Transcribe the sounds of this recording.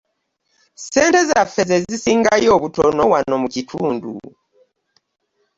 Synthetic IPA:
se̞ːnte̞zafe̞zezisiːŋɡajo̞ːβutono̞wano̞mucitʰuːndṵ

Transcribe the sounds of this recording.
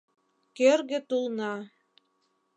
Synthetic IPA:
køɾɣɘ̆t̪ulˠnɑ

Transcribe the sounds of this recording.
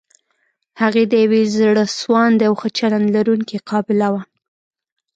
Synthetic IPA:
haɣed̪əjawezɽəswɑnd̪eawxət͡ʃalanlaɾuŋkiqɑbɪlawa

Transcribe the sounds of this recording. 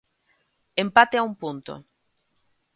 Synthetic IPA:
empat̪eaumpunt̪o̰

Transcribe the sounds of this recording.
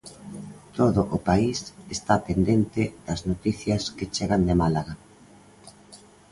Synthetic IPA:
t̪oðʊʔʊpaisest̪apend̪ent̪ɪðɐznot̪iθjɐsket͡ʃeɣand̪emalaɣa

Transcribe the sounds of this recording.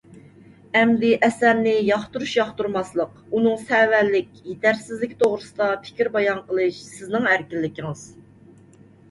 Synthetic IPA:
ɛmd̪ɪʔɛsæɾnɪjɑχt̪uɾuʃjɑχt̪uɾmɑslˠəq | unɨŋsɛwælːɪkʲjet̪ʰæɾsɪzlɪkʲt̪ʰoʁɾɨsɨd̪ɑpʰɪ̥kʲiɾbɑjɑnqəlˠɨʃsɪznɨŋæɾkʲilːɪkʲiŋɨz̥

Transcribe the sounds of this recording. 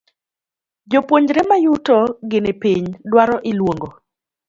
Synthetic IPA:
d͡ʒopwoɲd͡ʒɾɛmajutɔɡɪnepiɲdwaɾɔʔɪlwoŋɡo

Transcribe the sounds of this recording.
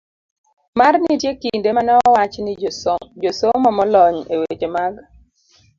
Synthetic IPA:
marnɪtjekindemanɛɔwat͡ʃnɪd͡ʒosomɔmɔlɔɲewet͡ʃemaɡ

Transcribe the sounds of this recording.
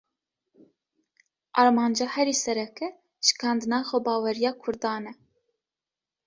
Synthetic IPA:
ʔɑɾmɑːnd͡ʒɑːhɛɾiːsɛɾɛkɛ | ʃɨ̥kʰɑːnd̪ɨnɑːxʷɛbɑːwɛɾijɑːkʰʊɾd̪ɑːnɛ

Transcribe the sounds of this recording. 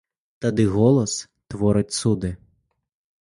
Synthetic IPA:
t̪ɐd̪ɪɣɔlˠɔs | t̪ʋɔɾɪtʲsud̪ɪ

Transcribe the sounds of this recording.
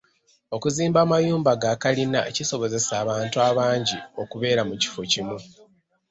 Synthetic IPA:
o̞kuziːmbaːmajuːmbaɡaːkalinaciso̞βo̞ze̞saːβaːntuaːβaːɲɟio̞kuβe̞ːɾamuci̥focimu

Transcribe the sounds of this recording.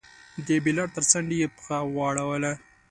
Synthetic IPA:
d̪əbilaɽt̪əɾt͡saŋɡjepə̥xawɑɽawəla

